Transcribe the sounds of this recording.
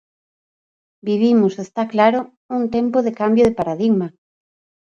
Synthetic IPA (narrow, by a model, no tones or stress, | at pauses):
biβ̞imʊsest̪aklaɾo | uŋt̪empoðekambjoðɪpaɾaðiɣma